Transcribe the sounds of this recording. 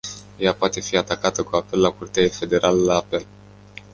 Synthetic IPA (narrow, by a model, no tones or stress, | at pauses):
japoat̪e̞fiat̪akat̪əkuape̞lːakurt̪eaefe̞d̪e̞ɾʔaləlaːpe̞l